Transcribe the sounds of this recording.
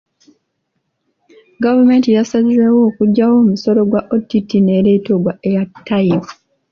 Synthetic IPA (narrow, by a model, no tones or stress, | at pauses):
ɡavume̞ːntijasaliɾewo̞ːkuɟːawo̞ːmuso̞lo̞ɡwaʔotitine̞ɾe̞ːtoɡwaʔejatʰːajifu̥